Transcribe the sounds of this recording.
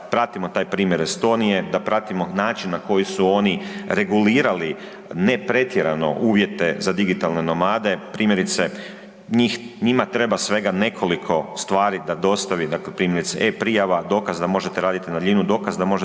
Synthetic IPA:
pɾat̪imo̞t̪aːjpɾiːmje̞ɾest̪o̞nije̞d̪apɾat̪imo̞naːt͡ʃinːako̞jisuo̞ːniɾe̞ɡuliːɾali | ne̞pɾe̞t̪je̞ɾano̞̰ʔuːʋje̞t̪e̞zad̪iɡit̪alne̞no̞maːd̪e̞pɾiːmje̞ɾit̪se̞ | ɲiːxɲimat̪ɾe̞basʋe̞ɡane̞kʰo̞likʰo̞st̪ʋaːɾid̪ad̪o̞st̪aʋid̪aklepɾiːmjeɾit̪sḛʔe̞pɾijaʋad̪o̞ːkazd̪amo̞ʒet̪eɾaːd̪it̪inad̪lʎinud̪o̞ːkazd̪amo̞ʒe

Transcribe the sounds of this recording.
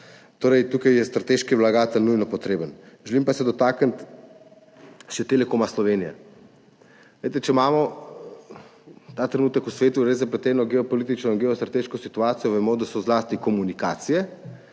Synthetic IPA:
t̪oːɾɛjt̪ukajjɛst̪ɾat̪eʃkiʋlaɡaːt̪əlnujnɔpɔt̪ɾeːbənʒɛlimpasɛd̪ɔt̪aːkənt̪ | ʃɛt̪eːlɛkoːmaslɔʋeːnijɛ̰ | lejt̪ɛt͡ʃɛmaːmɔ | t̪aːt̪ɾɛnuːt̪əkusʋeːt̪uɾezapɾɛt̪ɛːnɔɡɛɔpɔliːt̪̬it͡ʃnɔinɡɛɔst̪ɾat̪eːʃkɔsit̪uaːt̪sijɔʋɛmɔd̪asɔzlaːst̪ikɔmunikaːt̪sijɛ

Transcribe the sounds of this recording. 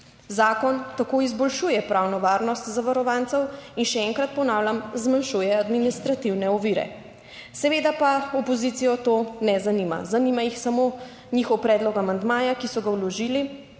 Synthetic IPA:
zaːkɔnt̪akoizbɔlʃujɛpɾawnɔʋaːɾnɔst̪zaʋaɾɔʋaːnt̪sɛwinʃɛɛŋkɾat̪̚pɔnaːwlʲjamzmanʃujɛad̪minist̪ɾat̪iwnɛɔʋiːɾɛ̰ | sɛʋeːd̪apaɔpɔzit̪ijɔt̪oːnɛzanima̰zanimajixsamo | ɲiːxɔwpɾɛːd̪lɔkamand̪maːjakisɔɡawlɔʒiːli

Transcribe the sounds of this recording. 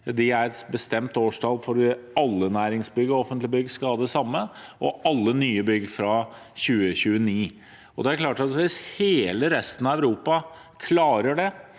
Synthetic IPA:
d̪ɪæɾɛt̪bəst̪ɛmt̪oːʂʈʰɑlfɔɾʋɪɑlːənæːɾɪŋsbʏɡːəɔɔfənt̪lɪbʏɡskɑɑːd̪ɛsɑmːəʔɔʔɑlːənyːəbʏɡfɾɑ | çʉːəçʉːəniː | ɔd̪ɛæɾkʰlɑːʈɑʋɪsheːləɾɛst̪ən̩ɑæʋɾuːpɑ | kʰlɑːɾəɖɛ

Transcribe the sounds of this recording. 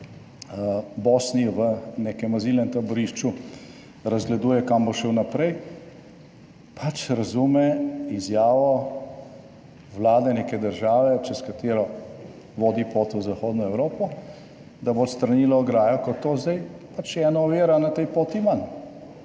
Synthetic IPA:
bosniʋənekɛmazilnɛmt̪abɔɾiʃt͡ʃu | ɾɐzɡlɛd̪uːjɛkamboʃɛwnapɾɛj | pʰat͡ʃɾɐzumɛizjaːʋɔ | ʋlaːd̪ɛneːkɛd̪əɾʒaːʋɛt͡ʃɛskat̪eːɾɔ | ʋoːd̪ipoːt̪əzaxoːd̪nɔɛwɾoːpɔ | d̪abost̪ɾɐniːlɔɔɡɾaːjɔkɔt̪ːoːzd̪ajpat͡ʃɛːnɔɔʋeːɾanat̪ɛjpoːt̪iman

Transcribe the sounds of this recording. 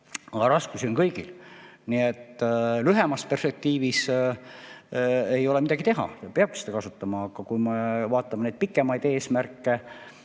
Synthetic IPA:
ɑɑɾɑskusio̞nkɤjɡ̥ilniet̪ːlyɦemɑspe̞rspe̞k̚t̪iːvis | ejo̞lemid̪ɑɡ̥it̪e̞ɦɑ̰peɑb̥̚kise̥d̪ɑkɑsut̪ːɑmɑːkɑkujmevɑːt̪ːˑɑmene̞jd̪̥̚pikˑːe̞mɑjd̪̥e̞ːsmærkˑːe

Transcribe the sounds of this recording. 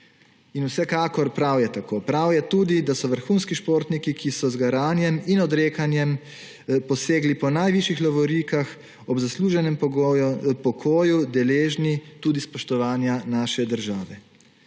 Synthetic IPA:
inuwsɛkaːkɔɾpɾawjɛt̪akoːpɾawjɛt̪uːd̪id̪asɔʋəɾxuːnskiʃpoːɾt̪nikikʰisɔzɡaɾaːnjɛminɔd̪ɾeːkanjɛm | pɔseːɡlipɔnajʋiʃjixlɔʋɔɾikax | ɔbzasluːʒɛnɛm | pɔkʰoːjud̪ɛleːʒnit̪uːd̪ispɔʃt̪ɔʋaːnjanaːʃɛd̪əɾʒaːʋɛ

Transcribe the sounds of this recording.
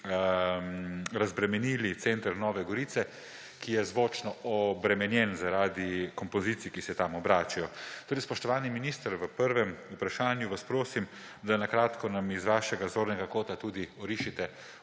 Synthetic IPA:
ɾazbɾɛmɛnilit̪sent̪əɾnɔːʋɛɡɔɾiːt̪sɛ | kijɛzʋoːt͡ʃnɔɔbɾɛmɛnjɛnzaɾaːd̪ikɔmpɔziːt̪sijkisɛt̪amɔbɾaːt͡ʃajɔt̪oːɾɛjspɔʃt̪ɔʋaːniminiːst̪əɾʋəpəɾʋɛmupɾaʃaːnjuʋaspɾoːsim | d̪anakɾaːt̪kɔnamizʋaːʃɛɡazoːɾnɛɡakoːt̪at̪uːd̪iɔɾiːʃit̪ɛ

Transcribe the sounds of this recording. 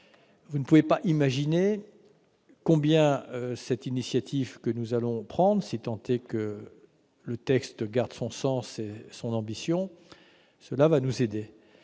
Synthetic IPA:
vunəpuvepaʔimaʒine | kɔ̃bjɛ̃sɛt̪inisjat̪ʰivkənuzalɔ̃pχɑ̃d̪ʁsit̪ɑ̃t̪ekə | lət̪ɛkst̪ɡaʁd̪sɔ̃sɑ̃sesɔ̃nɑ̃bisjɔ̃ | səlavanuzed̪e

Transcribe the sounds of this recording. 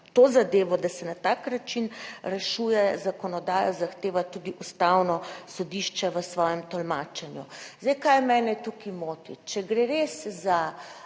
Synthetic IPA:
t̪ozad̪eːʋɔd̪asɛnat̪aːknat͡ʃinɾɛʃuːjɛzakɔnɔd̪aːjɔzaxt̪eːʋat̪ud̪iʔust̪awnɔsɔd̪iʃt͡ʃɛʋəsʋɔːjɛmt̪ɔlmaːt͡ʃɛnjuzd̪ɛjkajmɛːnɛt̪ukimoːt̪ḭt͡ʃɛɡɾeɾesza

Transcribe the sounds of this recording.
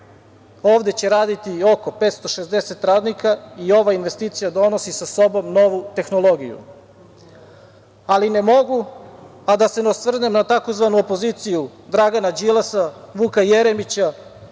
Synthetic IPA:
oːʋd̪e̞t͡ɕe̞ɾaːd̪it̪io̞ko̞pet̪st̪o̞ʃe̞zd̪e̞se̞t̪ɾaːd̪nikaio̞ʋainʋe̞st̪iːt̪sijad̪o̞no̞sisaso̞bo̞mno̞ʋut̪e̞xno̞lˠo̞ɡijṵ | aline̞mo̞ɡu | ad̪aseneosʋr̩ne̞mnat̪ako̞zʋanuopo̞ziːt̪sijud̪ɾaɡanad͡ʑilˠasaʋuːkajeɾe̞mit͡ɕa

